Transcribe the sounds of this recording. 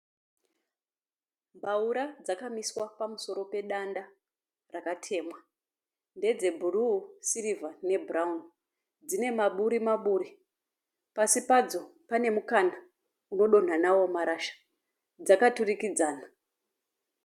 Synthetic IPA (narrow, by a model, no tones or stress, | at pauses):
mbʱauɾad͡zakamiswapamuso̞ɾo̞pe̞ɗanda | rakatʰe̞ːmwa | nde̞d͡ze̞bʱurusiɾivane̞bʱuraun | d͡zine̞maɓuɾimaɓuːɾi | pasipad͡zo̞pane̞mukana | uno̞ɗo̞n̤anawo̞maɾaʃḁ | d͡zakaturikid͡zaːna